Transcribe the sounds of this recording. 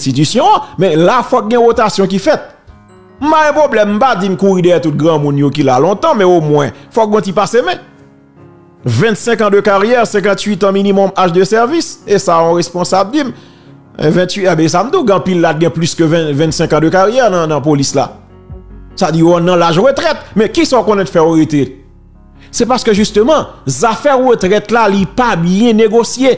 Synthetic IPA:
sit̪̬ysjɔ̃ãmɛ̃lafɔk̚ɡɛ̃vot̪asjɔ̃k̬ifɛt̪̚ | m̩paɛ̃pʁoblɛm̩ːpad͡zimkuʁidɛjɛt̪ut̪̚ɡʁãmũnjok̬ilalɔ̃t̪ãmɛ̃omwɛ̃fɔk̚ɡɔ̃tipasemɛ̃ | vɛ̃t̪sɛ̃kãd̪økaʁjɛʁsɛ̃k̬ɑ̃t̪ɥit̪ãminimɔmaʃd̪øsɛʁvisesaɔ̃ʁespɔ̃sabdim | vɛ̃t̪ɥiɛbɛ̃s̬am̩d̪ũɡãpilːat̪̚ɡɛ̃plyskøvɛ̃vɛ̃t̪sɛ̃kãd̪økaʁjɛʁnãnɐ̃polisla̰ | sadiɔ̃nːɐ̃laʒʁøt̪ʁɛt̪̚mɛ̃kisaokõnɛ̃t̪fɛoʁet̪e | sɛpaʁskøʒyst̪ømɑ̃zafɛʁːət̪ʁɛt̪lalipabjɛ̃neɡosje

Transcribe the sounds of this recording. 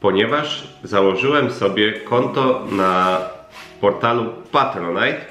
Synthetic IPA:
pɔɲɛvaʐzawɔʐɘwɛmsɔbʲjɛkɔnt̪ɔna | pɔɾt̪alupat̪ɾɔnajt̪

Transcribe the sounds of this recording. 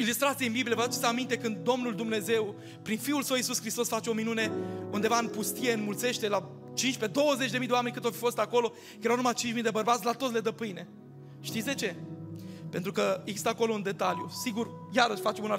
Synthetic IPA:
ilust̪ɾat̪sieinbiblijevəd̪at̪t͡ʃ̪i̥səamint̪e̞kɨnd̪ːo̞mnuld̪umne̞ze̞w | pɾinfiulsəwisuskɾist̪o̞sfat͡ʃe̞o̞minune̞und̪e̞vaɨnpust̪ije̞ɨnmult̪se̞ʃt̪e̞la | t͡ʃinʃʲpe̞d̪o̞wəze̞t͡ʃʲd̪eid̪eoame̞nʲkɨnt̪ofifo̞st̪ako̞lo̞ | jeɾawnumat͡ʃint͡ʃmid̪ebərbat̪sʲlat̪o̞t̪le̞d̪əpɨjne̞ | ʃt̪it̪sd̪e̞t͡ʃe̞ | pe̞nt̪ɾukəeɡzi̥st̪əako̞lo̞und̪e̞t̪aljusiɡurjaɾəʃfat͡ʃemuna

